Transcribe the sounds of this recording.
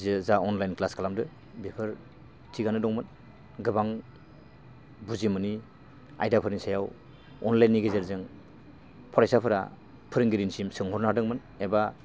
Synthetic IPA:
zezaɔnlajnklaskʰalamdɯ | bipʰɯɾ | tʰiɡanɯdɔŋmɯn | ɡɯbaŋ | buzimɯni | a̰jdapʰɯɾiŋsajaw | ɔnlajnːiɡezeɾzɯŋ | pʰɔɾajsapʰɯɾa̰ | pʰɯɾɯŋɡiɾinsimsɯŋɦɔɾnadɯŋmɯn | eba

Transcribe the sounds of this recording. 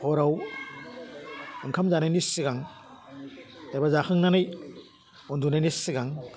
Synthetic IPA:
pʰɔɾaw | ɯŋkʰamzanajnisiɡaŋ | dajbazakʰɯŋnanɯj | ɔndunajnisiɡaŋ

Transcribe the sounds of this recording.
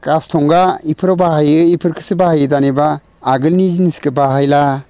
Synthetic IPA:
kastʰɔŋɡaipʰɯɾɔbaɦajɯipʰɯɾkʰɯ̥sɯbahajɯdanebaː | ɡɯlniziniskɯbaɦajla

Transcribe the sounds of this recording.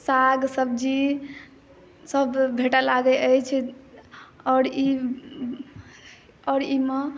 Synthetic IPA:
saɡsəbd͡ʒi | səbbʱeʈalaɡəəjt͡ʃʰ | ɔɾi | ɔɾime

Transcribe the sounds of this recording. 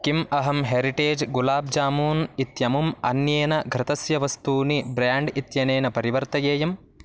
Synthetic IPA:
kimɐɦɐmɦeːɾiʈeːd͡ʒɡulaːb̚d͡ʒaːmuːnit̪jɐmumɐ̰njeːnɐɡʱɾɪt̪ɐsjɐʋɐst̪uːnibɾaːɳɖit̪jɐneːnɐpɐɾiʋɐɾt̪ɐjeːjɐm

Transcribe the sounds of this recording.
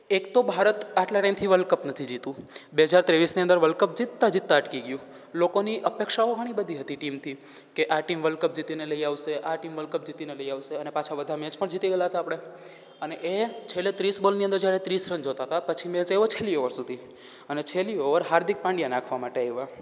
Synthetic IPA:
ekt̪obʱaɾət̪aʈlaʈajmt̪ʰiʋəlkəpnət̪ʰid͡ʒit̪ũbeɦəd͡ʒaɾt̪ɾeʋisniənd̪əɾʋəlkəp̚d͡ʒit̪ːad͡ʒit̪ːaəʈkiɡjũ | lokoniʔəpekʃaoɡʱəɽ̃ibəd̪ʱiɦət̪iʈimt̪ʰi | keʔaʈimʋəlkəp̚d͡ʒit̪ineləiaʋseʔaʈimʋəlkəp̚d͡ʒit̪ineləiaʋseənepat͡ʃʰabəd̪ʱamɛd͡ʒpəɳd͡ʒit̪iɡəjaɦət̪aːpɽ̃e | əneʔet͡ʃʰelet̪ɾisbəlniənd̪əɾd͡ʒjaɾet̪ɾisɾənd͡ʒot̪aɦət̪apət͡ʃʰimẽd͡ʒeʋot͡ʃʰelioʋəɾsud̪ʱi | ənet͡ʃʰelioʋəɾɦaɾd̪ik̚pãɳɖijanakʰʋamaʈeeʋa

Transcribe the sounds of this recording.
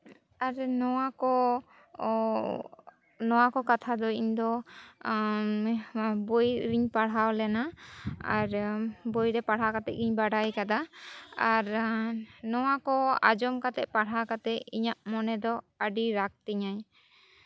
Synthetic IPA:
aɾnɔwakɔ | nɔwakɔkat̪ʰad̪ɔiɲd̪ɔ | bojɾiɲpaɽ̤awlɛnaaɾbojɾɛpaɽ̤ɦakat̪ɛ̰ʔ̚ɡiɲbaɖajkad̪aaɾ | nɔwakɔa̰d͡ʒɔmkat̪ɛʔ̪̚paɽ̤akat̪ɛʔiɲaʔmɔnɛd̪ɔ | əɖiɾak̚t̪iɲaɲ

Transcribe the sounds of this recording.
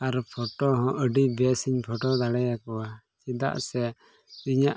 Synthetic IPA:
aɾpʰɔʈɔɦɔ̃ʔəɖibɛsiɲpʰɔʈɔd̪aɽɛjakɔwa | t͡ʃid̪a̰ʔsɛ | iɲaʔ

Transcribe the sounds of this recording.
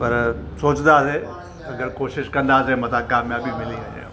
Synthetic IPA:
pɐɾsoːt͡ʃnd̪aːse | ɐɐɡəɾkoːʃɪʃkɐ̃nd̪aːsemɐt̪akaːmjaːbimɪliɐ̃ḛ̃

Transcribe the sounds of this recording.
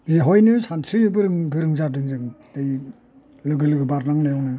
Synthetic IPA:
bizeɦɔjnɯsʰantʰɾijɯbɯɾɯŋɡɯɾɯŋzadɯŋzɯŋd̥aj | lɯɡɯlɯɡɯbaɾnaŋnajɔwnɯ

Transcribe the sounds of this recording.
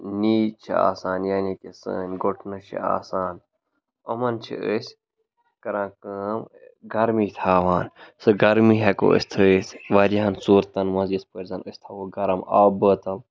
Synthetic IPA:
niːt͡ʃʰḭa̰ːsaːnjaːnikesə̰ːnʲɡoʈʰnɨʃʰḭa̰ːsaːn | ɐmɐnt͡ʃʰḭəsʲ | kɐɾãːkəːmɡɐɾmiːt̪ʰaːʋaːnsɨɡɐɾmiːɦeko̰ːə̰st̪ʰɨsʋɐɾiɦɐnsuːɾt̪ɐnmɐ̃nzɐspəɾzɐnəsʲt̪ʰɐʋoɡɐɾɐma̰ːbəːt̪ɐm

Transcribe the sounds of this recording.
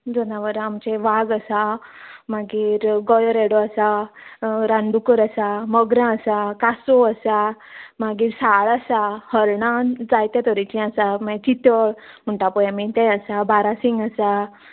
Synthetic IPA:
d͡zɔnaʋəɾamt͡ɕeʋaɡəsamaɡiːɾɡɔjəɾeɽoəsa | ɾãnd̪ukəɾəsaməɡɾãəsakasoəsa | maɡiːɾsaɭasahəɾɳãd͡zajt̪at̪ɔɾit͡ɕĩəsamɛ̃t͡ɕit̪əɭ | m̤əɳʈapɔjamit̪ɛ̃əsabaɾasiŋɡəsa

